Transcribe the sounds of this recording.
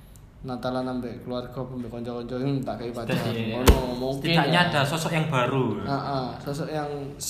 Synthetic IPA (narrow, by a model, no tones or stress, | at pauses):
nat̪alanampɛʔkəluarɡ̥ɔ̤pambɛkɔɲt͡ʃɔkɔɲt͡ʃɔŋt̪aʔkaipad͡ʒaaɔɔmuŋk̪tiɪt͡ʃaɲaːd̥a̤sɔsɔʔjaŋb̥a̤ɾuaʔasɔsɔʔjaŋ | s